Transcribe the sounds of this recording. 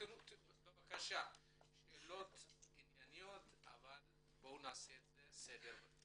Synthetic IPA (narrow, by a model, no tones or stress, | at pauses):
enubevakaʃa | ʃeːlo̞t̪injanijo̞t̪a̰val | bo̞naːseːtesed̪eʁ